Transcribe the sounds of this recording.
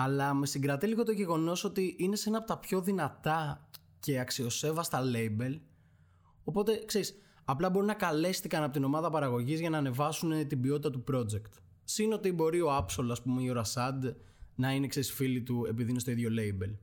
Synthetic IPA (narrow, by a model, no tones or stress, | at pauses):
ɐlɐme̞siŋɡɾɐt̪iliɣo̞t̪oʝe̞ɣo̞no̞sot̪iʔine̞se̞nɐːpot̪ɐpço̞ðinɐt̪ɐ | ce̞ɐksio̞se̞vɐst̪ɐle̞ibe̞l | o̞po̞t̪e̞kse̞ɾis | ɐplɐbo̞ɾinɐkɐle̞st̪ikɐnɐpot̪ino̞mɐðɐpɐɾɐɣo̞ʝizʝɐnɐːne̞vɐsunet̪ibio̞t̪it̪ɐt̪upɾo̞d͡ze̞kt̪ | sino̞t̪ibo̞ɾio̞ɐpso̞lɐspumeioɾɐsɐd̪ | nɐinekse̞ɾisfilit̪ue̞piðinest̪o̞iðʝo̞le̞ibe̞l